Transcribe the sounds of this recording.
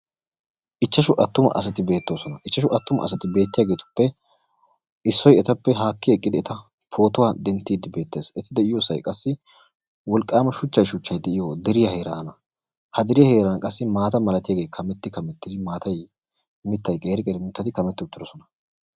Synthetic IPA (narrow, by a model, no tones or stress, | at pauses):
ʔɪt͡ʃːɐʃʊʔɐt̪ːʊmɐ̰ʔɐ̰s̬ɐt̪ɪbe̞ːt̪ːo̞ːsɔnɐʔɪt͡ʃːɐʃʊʔɐt̪ːʊmɐ̰ɐsɐt̪ɪbe̞ːt̪ːɪjaːɡe̞ːt̪ʊ̥pːɛ | ʔɪsːɔjɛt̪ɐpːɛɦaːkːɪɛkʼːɪd̪ɪɛt̪ɐ | pʰo̞ːt̪ʊwaːd̪ɛnt̪ːiːd̪ɪbe̞ːt̪ːe̞ːsɛt̪ɪd̪ɛɪjo̞ːsɐjkʼɐsːɪ | wɔlkʼːaːmɐʃʊt͡ʃːɐjʃʊt͡ʃːɐjd̪ɛʔɪjoːd̪ɛɾɪjɐhe̞ːɾaːɐnɐ | hɐd̪ɛɾɪjɐhe̞ːɾɐnkʼɐsːɪmaːt̪ɐmɐlɐt̪ɪjaːɡeːkʰɐmɛt̪ːɪkɐmɛt̪ːɪd̪ɪmaːt̪ɐj | mɪt̪ːɐjkʼe̞ːɾɪkʼɛɾɪmɪt̪ːɐt̪ɪkɐmɛt̪ːɪʊt̪ːɪɾɔsɔnɐ